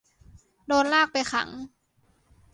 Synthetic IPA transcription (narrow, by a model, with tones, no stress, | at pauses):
doː˧nlaː˥˩k̚pa˧jxʰa̰˨˩˦ŋ